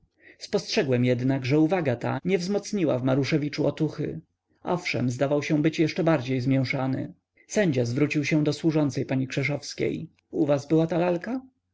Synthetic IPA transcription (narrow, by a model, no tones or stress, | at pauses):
spɔstʂɛɡwɛmjɛd̪naɡʐɛuvaɡat̪a̰ɲɛvzmɔt̪sɲiwa̰vmaɾuʂɛvʲit͡ʂuɔt̪uxɘ̰ | ʔɔ̰fʂɛ̰mzd̪avawɕɛ̃bɘt͡ɕjɛʂt͡ʂɛbaɾd͡ʑejzmʲjɛ̃w̃ʂanɘ̰ | sɛɲd͡ʑazvɾut͡ɕiwɕɛ̃d̪ɔswuʐɔnt̪sɛjpaɲikʂɛʂɔfskʲḛj | uvazbɘwat̪alalka